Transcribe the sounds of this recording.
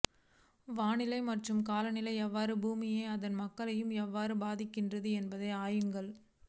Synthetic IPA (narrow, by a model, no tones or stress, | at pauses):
ʋaːnɪlɐɪmɐʈrɯmkaːlɐnɪlɐɪɛʋːaːɾɯbuːmɪjeːɐðɐnmɐkːɐɭɐjɯmɛʋːaːɾɯbaːðɪkːɪndrɐðɯɛnbɐðɐɪaːjɯŋɡɐɭ